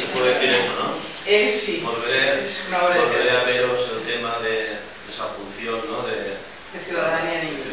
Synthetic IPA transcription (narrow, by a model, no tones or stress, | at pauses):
sepwoðeðeθiɾesono | esibolβeɾesnaβoɾeoβeɾeaβeɾoselt̪emaðe | d̪esafuluθjonnoðe | d̪eθjuðaðaniani